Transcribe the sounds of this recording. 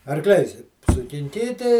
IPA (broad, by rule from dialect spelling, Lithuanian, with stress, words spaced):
ɐrˈklʲɛɪs sʊkʲɪŋʲˈkʲiːtʲɪ